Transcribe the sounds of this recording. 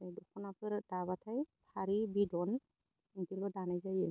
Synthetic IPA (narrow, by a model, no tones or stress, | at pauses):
ajdɔkʰɔnapʰɯɾdaβatʰajpʰaɾibidɔn | iŋtilɔdanajzajɯ